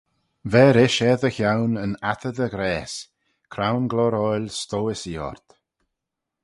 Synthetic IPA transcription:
vɛːɾɪʃɛðəxjawnənat̪ʰəd̪əɡɾɛːs | kʰɾawnɡlɔɾɔjlʲst̪oːɪsiɔ̰ɹt̪

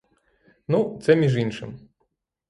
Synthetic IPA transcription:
nut̪sɛmʲiʐinʂɨ̰m

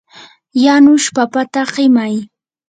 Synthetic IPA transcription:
janʊʃpapat̪aɢɪmaj

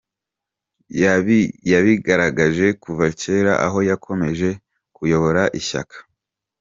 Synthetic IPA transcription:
jaβijaβiɡaɾaɡaʒe̞kuvace̞ːɾa̰ʔa̰ɦo̞jakʰo̞me̞ʒe̞ | kujo̞βo̞ɾaʔiça̰kḁ

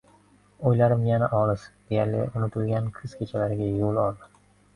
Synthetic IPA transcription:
ojlaɾɪmjanaʔɒlˠɪsd̪̥ejaɾlɪ̰ʊnɪt̪ʰʊlɡʲankʰɨz̥kʲʰet͡ʃʰalaɾɪɡʲajolˠɒlˠd̪ɪ

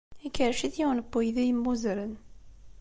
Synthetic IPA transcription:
ikːəɾʃiθjiwnəbːujðijəmːuzɾən

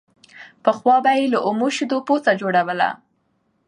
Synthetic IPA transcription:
pəxwɑbajeləʔʊmoʃid̪opot͡sad͡ʒoɽawəla̰

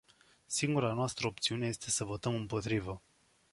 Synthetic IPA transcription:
siŋɡuɾanoast̪ɾəopt̪siuneje̞st̪e̞səvo̞t̪əmɨmpo̞t̪ɾivə

